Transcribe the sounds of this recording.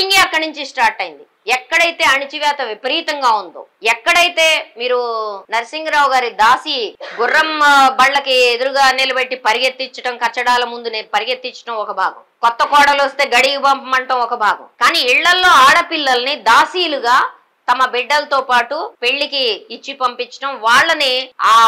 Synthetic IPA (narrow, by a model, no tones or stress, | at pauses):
iŋɡeɐkːɐɽɐnuɲt͡ʃisʈaːɾʈɐjind̪i | ɛkːɐɽɐjt̪e̞ːɐnit͡ʃiʋjaːt̪ɐʋipɐɾiːt̪ɐŋɡaːund̪o̰ːɛkːɐɽɐjt̪e̞ːmiːɾunɐɾɐsiŋɡɐɾaːwuɡaːɾid̪aːsiɡurːɐmbɐɭːɐkied̪uɾuɡaːnelɐbɐʈːipɐɾijɐt̪ːiɲt͡ʃːɐʈɐmkɐt͡ʃːɐɽaːlɐmund̪uneːpɐɾijɐt̪ːiɲt͡ʃːɐ̥ʈɐmɔkɐbʱaːɡɐ̰mkɔt̪ːɐkɔːɽɐlɐst̪e̞ːɡɐɽiɡibɐmpɐmɐɳʈɐmɔkɐbʱaːɡɐ̰mkaːniːiɭːɐlːo̞ːaːɽɐpilːɐlɐnid̪aːsiːluɡaː | t̪ɐmɐbɛɖːɐlɐt̪oːpaːʈupeɭːikiːt͡ʃːipɐmpiɲt͡ʃːɐ̥ʈɐmʋaːɭːɐniaː